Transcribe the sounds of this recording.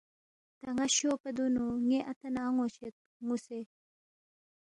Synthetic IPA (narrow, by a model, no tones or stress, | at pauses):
t̪ɐŋaɕopɐd̪unuŋeʔat̪anaŋot͡ɕet̪̚ŋuse